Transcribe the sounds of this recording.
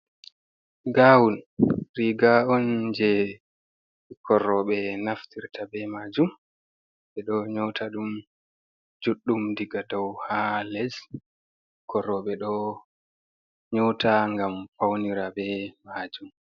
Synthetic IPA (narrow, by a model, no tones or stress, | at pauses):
ɡaːwunɾiɡaɔnd͡ʒɛ | ikʰɔrɔɓɛnaftiɾtʰabɛmaːd͡ʒum | ɓɛɗɔɲɔtʰaɗum | d͡ʒuɗːumdiɡadɔwhalɛz | kʰɔɾɔɓɛɗɔ | ɲɔtʰaŋɡamfawniɾabɛmaːd͡ʒum